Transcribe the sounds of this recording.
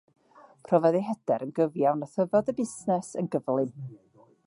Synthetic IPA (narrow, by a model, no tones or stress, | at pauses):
pʰrɔvɛðeɦɛd̥ɛɾənɡəvjawnəθəvɔdəbɪsnɛsə̰nɡəvlˠɪn